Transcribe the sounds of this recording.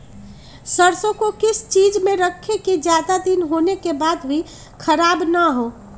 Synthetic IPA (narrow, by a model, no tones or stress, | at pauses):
səɾsõkokɪst͡ʃid͡ʒmẽɾəkʰːeked͡ʒjad̪ad̪inɦonekebad̪bʱi | kʰəɾaːbnəɦoː